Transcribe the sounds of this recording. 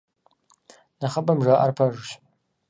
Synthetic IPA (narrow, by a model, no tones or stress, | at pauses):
nɐχɐbɐmʒaːʔɐ̰rpʰɐʒɨɕ